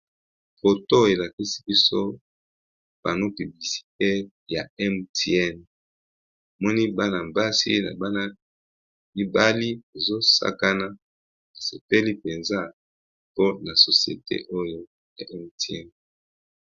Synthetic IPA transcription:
fo˨to˦e˨la˨ki˦si̥˦bi˦so˦ | b̥a˨no˦py˨bli˨si̥˨te˦ | ja̰˨ɛ˦mtɛ˦˨n˨ | mɔ˦ni˦ba˦na˨mba˦sḭ˦na̰˨ba˦na˦ | i˦ba˦li˦e˨zo˦sa̰˦ka˦na˦ | a˨se˨pe˦li˦pe˨nza˦ | po˦na˨so˨sjḛ˨tḛ˦ʔo˦jo˦ | ja̰˨ʔɛ˦mtɛ̰˦˨n

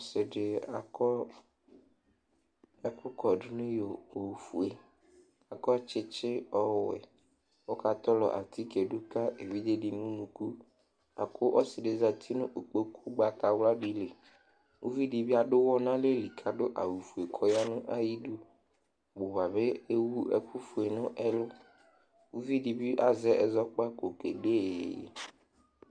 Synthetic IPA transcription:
o˦sɪ˨ɖe˨a˨kɔ˦ | a˨kʊ˦kɔ˨ɖʊ˦nʊ̃˦jo˨o˨wu˨fu˨e˨ | a˨kɔ˦t͡ʃɪ˦t͡ʃɪ˦ɔ˦˨wɛ̰˨ | wo˦ka˦t̪ɔ˦lɔ̰˨ʔa̰˨t̪ʰi˦ke˨ɖu˦ka˦ʔe˨vi˦d̪e˦ɖi˨nũ˦nũ˨ku˦ | a̰˨kʰo˦ʔɔ˦sɪ˨ɖe˨za˨t̪ʰi˦nʊ̃˦ʔo˨k͡po˦kʰu˦ɡ͡ba˨ka˨wla˦bi˨le˨ | wṵ˦vi˦ɖi˨bi˦a˨ɖʊ˦wɔ˦nã˦le˦li˨kʰa˨ɖʊ˦ʔa˨wu˨fu˨e˨kʰɔ˦ja˦nʊ̃˦ʔa˦ji˦du˦ | bo˨va˨be˦e˦wu˦ɛ̰˨ɸʊ˦fʊ˨e˨nʊ̃˦ʔɛ˦lʊ˦ | wu˦vi˦ɖi˨bi˦ʔa˨zɛ˦ʔɛ˨zɔ˦k͡pa˦ko˨ke˨ɖḛ˦˨

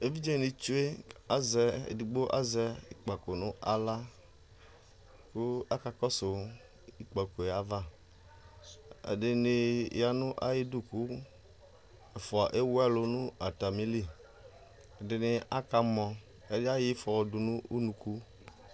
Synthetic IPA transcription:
e˦vi˦d͡ʒe˦˨ni˨t͡ʃu˦e˦a˦zɛ˨ḛ˨di˨ɡ͡bo˦ʔa̰˦zɛ˦i˨k͡pa˨ko˨nʊ̃˦a˦la˦ | ku˦a˦ka˨kɔ˦so˨ | i˨k͡pa˨ko˨e˨a˦va˦˨ | ḛ˨de˨ne˨˦ja˨nʊ̃˦ʔa˦ji˦du˦˨ku˦ | e˨fɔ˨a˨ʔe˦wa˦lo˨nũ˦a˨ta˨mĩ˦li˦˨ | e˨dɪ˨nɪ˨a˦ka˦mɔ̃˨ | e˦da˦ji˦fɔ˨du˨nũ˦u˦nũ˨ku˦

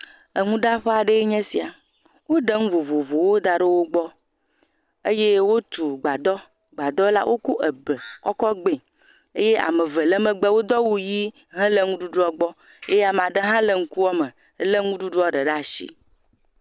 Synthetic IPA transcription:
ə˨ŋũ˦ɖa˦ɸe˦a˨ɖe˦e˦ɲɛ̃˦si˨a˨ | wo˦ɖe˦ŋũ˦vo˨vo˨vo˨wo˦d̪a˨ɖe˦wo˦ɡ͡bɔ˦ | e˦je˦wo˦t̪u˨ɡ͡ba˨d̪ɔ˦ | ɡ͡ba˨d̪ɔ˦la̰˦wʔo˦ku˦ʔə˨bə˨kɔ˦kɔ˦ɡ͡be˨ | e˦je˦a̰˨mə˨və˨lə˦mə˦ɡ͡be˦wo˦d̪ɔ˦wu˦ji˦ | ɦə̃˦lə˦ŋũ˦ɖu˦ɖu˦ɔ˦ɡ͡bɔ˦ | e˦ja˨m˨ã˨ɖe˦ɦã˦lə˦ŋ̩˦ku˦wɔ˦mə˨˦ | lə˦ŋũ˦ɖu˦ɖu˦ɔ˦ɖə˨ɖa˦˨ʃḭ˦

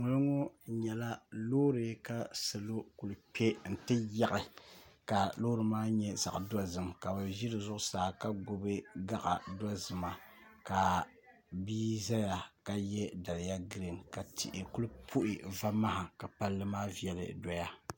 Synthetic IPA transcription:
ŋʊ˦lɨ˦ŋo˦ɲɛ˨la˦loː˦ɾɨ˨ka˦sɨ˨lo˦ku˨lɨ˨pɛ˦n̩˨tɨ˦ja˦ʔɪ˨ka˨lo˦ɾɨ˨maː˦ɲɛ˦za̰˨ʔda˦zɨ˦˨mka˨ba˨ʒi˦ɾɨ˨zʊ˦ʔʊ˦saː˨ka˦ɡʊ˨bɨ˦ɡa˦ʔa̰˨da˦zɨ˨ma˨ | ka˨ | biː˦za˦ja˨ka˨jɛ˦da˨lɪ˨ja˦ɡɨ˦ɾɨ˨ŋka˨tʰḭ˨ʔɪ˨ku˦lɨ˦pʰu˦ʔɪ˨va˦ma˦ha˨ka˨pa˦lːɨ˦maː˦vi˨ɛ˨lɨ̰˨dɔ˨ja˦

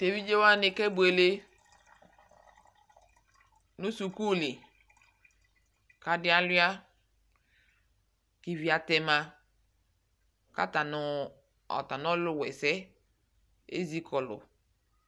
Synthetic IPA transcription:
te˨vi˦d͡ʒe˦wa˦nɪ˨kɛ˦bu˨˦e˨le˦ | nu˦su˨ku˦˨lɪ˨ | ka˨dɪ˦a˦lʊ˦a˦ | ki˨vi˨a˨tɛ˦ma˦ | ka̰˦ta˨nʊ˨ | ɔ̰˨ta˨nɔ˦lʊ˦˨wɛ˨sɛ˦ | ḛ˦zi˦kʰɔ˨lʊ̰˨

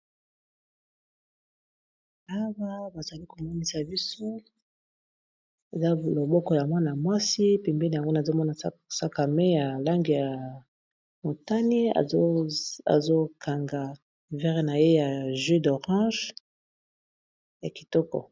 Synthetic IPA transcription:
a˦wa˦ba˨za˨li˦ko˨mɔ˦ni˦sa˨bi˦so˦ | e˨za˦lo˨bɔ˦kɔ˦ja˨mwa˦na˨mwa˦si˦pɛ˨mbɛ˦ni˨ja˨ŋɡo˦na˨zo˦mɔ˦na˨˦sa˦ka˨me˦ja˨la˦ŋɡi˨ja˨ | mo˨ta˦nḭ˦˨˦a̰˨zo˦kʰa˨ŋɡa˨ | vɛ˦ʁe˨na˨je˦ja˨ʒø˦do˨ʁɑ̃˦ʒ | ja˨ki̥˨tɔ˦kɔ̰˨

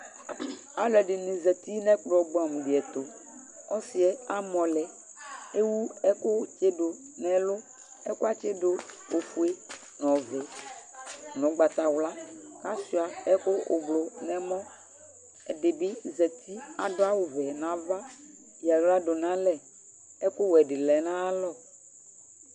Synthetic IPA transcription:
a˨lɛ˨ɖe˨nĩ˨zɛ˨t̪i˦nɛ̃˦k͡plɔ˨ɡ͡bɔ˨mũ˨ɖe˨ɛ˨t̪o˨ | ɔ˦si˨ɛ˨a˦mɔ̃˨lɛ˨ | e˦wu˦ɛ˦ko˦t͡ʃe˦ɖo˨ | nɛ̃˨lʊ˦ | ɛ˦ko˦a˦t͡ʃe˦do˦ | o˨fu˦e˦ | nɔ̃˨vɛ˨ | nɔ̃˨˦ɡ͡ba˨t̪a˨wla˦ka˦si˨˦a˨ɛ˦ko˦ʔo̰˨blo˨nɛ̃˨mɔ̃˦ | ɛ˨de˨bi˦zɛ˨t̪ʰi˦a̰˨do˦a˦wo˨vɛ˨nã˨˦va˦ | i˨a˨wla˦ɖo˨nã˦lɛ˦ | ɛ˦ko˦wɛ˨ɖe˨lɛ˨nã˦a˦lɔ˦

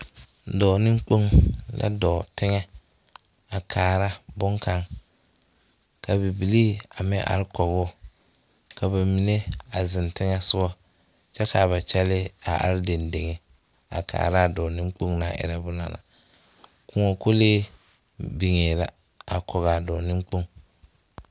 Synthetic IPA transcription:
dɔː˨nɪ̃˦ŋ˦k͡po˦ŋla̰˦dɔː˨tɪ˦ŋɛ˦ | a˨kʰaː˨ɾa˦bʊ˦ŋkʰa˦ŋ | ka˨bi˨bi˨liː˦a˨mɪ˦ʔa̰˨ɾɪ˦kɔ˨ɣʊː˦˨ | ka˨ba˨mi˨ne˦a˨zɪ˨ntɪ˦ŋɛ˦sʊ˦ɔ˦ | t͡ʃɛ˦ka˨βa˨t͡ʃɛ˦lɪ˦a˨ʔa̰˨ɾɪ˦de˨nde˨ŋɛ˨ | a̰˨kʰa̰ː˨ɾa˦˨dɔ˨nɪ˦ŋk͡po˦ŋna˨ʔɪ̰˨ɾɛ˨bʊ˨na̰˨la̰˨ | kʊ˨ŋɔ˨ko˦leː˦ | bi˨ŋeː˨la˨ | a˨kʰɔ˨ɣa˨dɔː˨nɪ̃˦ŋk͡po˦ŋ

